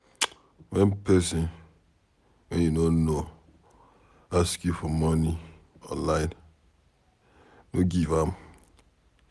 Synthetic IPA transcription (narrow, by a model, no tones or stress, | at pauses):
wɛnpɛsɪn | oɲenono | askjufɔmɔni | ɔ̰̃nlaɪn | noɡivam